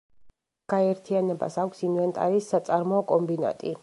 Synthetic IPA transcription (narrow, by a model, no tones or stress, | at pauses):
ɡ̥aɛɾt̪ʰianɛba̰sakʰʷsimvɛnt̪ʼaɾisːat̪sʼaɾmɔːkʼɔmbina̰t̪ʼi